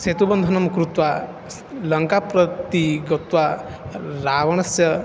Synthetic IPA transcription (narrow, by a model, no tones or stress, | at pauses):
set̪ubɐnd̪ʱɐnɐmkɾut̪wa | lɐŋkapɾɐt̪iɡɐt̪wa | ɾaːʋɐɳ̃ɐsjɐ